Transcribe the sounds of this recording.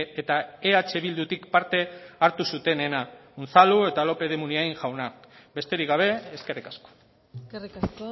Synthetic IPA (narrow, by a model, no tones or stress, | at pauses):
et̪aeat͡ʃe̞βild̪ut̪ikpaɾt̪e̞aɾt̪usut̪e̞ne̞naunt͡salue̞t̪alo̞pe̞ð̞e̞muniajŋʝawnakbe̞st̪e̞ɾikɡaβ̞e̞eːske̞rikasko̥ | ris